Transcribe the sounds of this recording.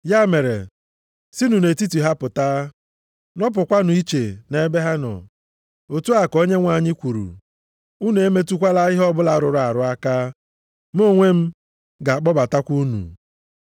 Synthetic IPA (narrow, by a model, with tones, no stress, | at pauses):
ja˦me˨ɾḛ˨ | si˦nu˨ne˨ti˦ti˨ɦa˦pʊ˨ta˦ | nɔ˦p̬ʊ˨kʷa˦nʊ˨i˦t͡ʃe˨ne˦be˦ɦa˦nɔ̰˨ | o˨tu˦a˨ko˦ɲe˦ŋʷa˨ɲɪ˦kʷu˨ɾṵ˨ | u˦n˨e˦me˦tu˦kʷa˦la˦ɣɪ˦ɦɔ˦bʊ˦la˦ɾʊ˨ɾʊ˨a˨ɾʊ˦a˦ka˦ | m˦o˦ŋʷe˦m̩˦ | ɡa˨a˨k͡pɔ˦ba˨ta˦kʷu˦nṵ˨